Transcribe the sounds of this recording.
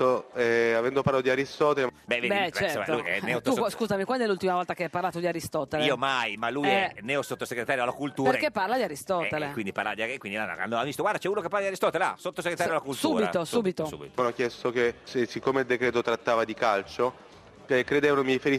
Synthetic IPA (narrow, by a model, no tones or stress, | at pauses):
oɛavɛnd̪opaɾlat̪od̪iaɾist̪ɔːt̪elebɛveɛt͡ʃɛsomalujɛ̰neot̪uskuːzamikwand̪ɛlult̪imavɔlt̪akeajparlaːt̪od̪iaɾist̪ɔt̪eliːomajmalːujɛnɛosot̪ːoseɡɾet̪aːɾjoalakult̪uːpeɾkepːarlad̪iaɾist̪ɔːelekːwind̪ipaɾrlavad̪iaekːwind̪ilan̰a̰nːoavist̪oɡward̪at͡ʃɛuːnokepːaɾlaiaɾist̪ɔːt̪elea̰sot̪ːoseɡɾet̪ajoalːakult̪uːɾbiat̪osubit̪oṵːbḭt̪onokjɛst̪okessikːomeild̪ekɾeːt̪ot̪ɾat̪ːaːvad̪ikalt͡ʃo | ɛkɾed̪eːvanomiɾifeɾi